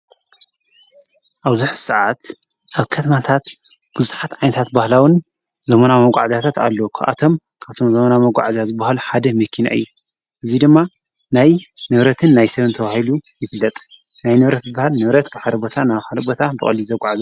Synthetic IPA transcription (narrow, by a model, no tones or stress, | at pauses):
ʔaβzuħsɨʕat̪ | ʔaβkʰɐt̪ʰɐmat̪ʰat̪ | b̥uzuħat̪ʕajnɐt̪ʰat̪bahlawɨn | zɐmɐnamɐɡʷʼaʕazat̪ʰat̪a̰lːokʰɐʔa̰t̪ʰo̞m | kʰaβt̪ʰo̞mzɐmɐnamɐɡʷa̰ʕazazɨbːahaluħad̪ɐmɐkʰːina̰ʔɨ̰jːu | ʔɨzid̪ɨmːa | najnɨβɾɐt̪ʰɨnːajsɐβɨnt̪ʰɐβahilujɪfɨlːɐt̪ʼ | najnɨβɾɐt̪zɨbːahalnɨβɾɐt̪kaħaɾɐbo̞t̪ʰanaβxalɐbot̪ʰabɨχʼɐ̰lizɐɡʷʼaʕazɐ